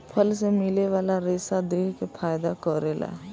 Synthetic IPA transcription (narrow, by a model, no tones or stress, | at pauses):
pʰəlsemɪleʋaːlaɾeːsad̪eːkepʰaːjd̪akɔɾeːla̰